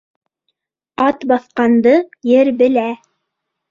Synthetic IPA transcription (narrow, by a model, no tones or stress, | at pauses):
ɑt̪bɑθqɑnd̪ɤjɘɾbɘ̆læ